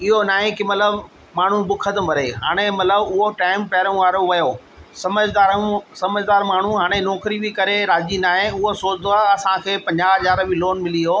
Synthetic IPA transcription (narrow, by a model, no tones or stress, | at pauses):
ɪɦonaːɦẽkimɐt̪ləb | maːɳ̤ũbʊkʰəd̪mɐɾeɦaːɽ̃emɐt̪ləbʊɦoʈaːɪmpɐɦɾũʋaːɾoʋɐjoː | sɐməd͡ʑd̪aːɾsɐməd͡ʑd̪aːɾmaːɳ̤uɦaːɽ̃enɔːkɾibɪkɐɾeɾaːd͡ʑinaːɦẽʊɦosoːt͡ɕd̪oaːɦɐsãkʰeːpɐ̃ɲd͡ʑaːɦɐzaːɾbɪloːnmɪliɦoː